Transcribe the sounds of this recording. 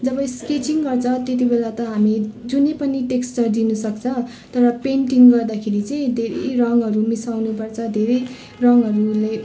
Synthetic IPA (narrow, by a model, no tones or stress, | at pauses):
d͡zʌbʌsket͡siŋɡʌrt͡sʰʌt̪et̪ibelat̪ʌɦamid͡zunepʌniʈeksʈʌrd̪inusʌkt͡sʰʌ̃ | tt̪ʌɾʌpeɳʈiŋɡʌrd̪akʰeɾit͡sʌĩd̪ʱeɾʌ̰jrʌŋɦʌɾumisawnupʌrt͡sʰʌd̪ʱeɾʌj | rʌŋʌɾule